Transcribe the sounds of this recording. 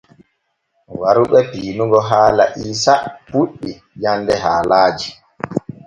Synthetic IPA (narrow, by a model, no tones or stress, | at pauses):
waɾuɓɛpiːnuɡɔɦaːla̰ʔiːsapuɗːi | jandɛɦaːlaːd͡ʒi